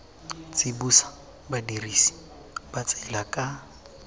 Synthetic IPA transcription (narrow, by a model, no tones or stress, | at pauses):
t͡sɪbusḁ | badiriːsi̥ | bat͡sɛlakʼa